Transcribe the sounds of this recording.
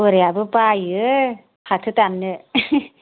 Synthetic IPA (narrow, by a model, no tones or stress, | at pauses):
ɯɾjabɯpajɯ | hat̪ʰɯt̪amnɯ